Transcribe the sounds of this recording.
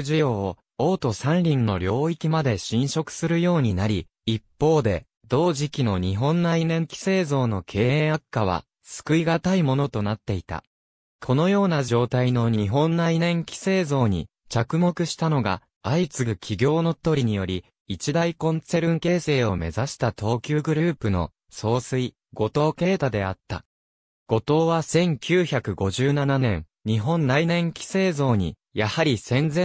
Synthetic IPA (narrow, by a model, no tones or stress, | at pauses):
ʑijo̞ːo | o̞ːt̪o̞sãnɾʲĩnːo̞̰ɾʲo̞ːikʲimad̪e̞ɕĩɰ̃ɕo̞kɯ̟̥sɨɾɯ̟jo̞ːɲ̟inaɾʲi | ipːo̞ːd̪e̞ | d̪o̞ːʑikʲino̞ɲ̟iɦõ̞nːainẽ̞ŋkʲi̥se̞ːzo̞ːno̞kʰe̞ːeːakːaβ̞a̰ | sɨ̥kɯ̟iɡat̪aimo̞no̞t̪o̞nat̪ːe̞it̪a̰ | kʰo̞no̞jo̞ːnad͡ʑo̞ːt̪aino̞ɲ̟iɦõ̞nːainẽ̞ŋkʲi̥se̞ːzo̞ːɲ̟ḭ | t͡ɕakɯ̟mo̞kɯ̟ɕi̥t̪ano̞ɡa̰ | ait͡sɨɡɯ̟kʲʰiɡʲo̞ːno̞t̪oɾʲiɲ̟ijo̞ɾʲi | it͡ɕid̪aikõ̞nt͡se̞ɾɯ̟̃ŋke̞ːse̞ːo̞me̞zaɕi̥t̪at̪o̞ːkʲɨːɡɯ̟ɾɯ̟ːpɯ̟no̞̰ | so̞ːsɨi | ɡ̥o̞t̪o̞ːke̞ːt̪ad̪e̞at̪ːa̰ | ɡ̥o̞t̪o̞ːβasẽ̞ŋkʲʰɨːçakɯ̟ɡo̞ʑɨːnananẽ̞̰ŋ | ɲ̟iɦõ̞nːainẽ̞ŋkʲi̥se̞ːzo̞ːɲ̟ḭ | jahaɾʲisẽ̞nd͡zẽ